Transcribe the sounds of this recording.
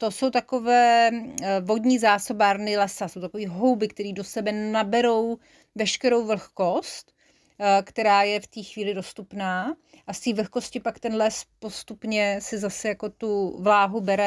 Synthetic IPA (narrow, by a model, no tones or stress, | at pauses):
t̪o̞so̞wt̪ako̞vɛː | vo̞d̪ɲiːzaːso̞baːɾnɪlɛsasowt̪akoviːɦo̞wbɪkt̪ɛɾiːdo̞sɛbɛnabɛɾo̞w | vɛʃkɛɾo̞wvl̩xko̞st̪ | kt̪ɛɾaːjɛft̪iːxviːlɪdo̞st̪upnaː | ʔast̪iːvl̩xko̞scɪpakt̪ɛnlɛspo̞st̪upɲɛsɪzasɛjako̞t̪uvlaːɦubɛɾɛ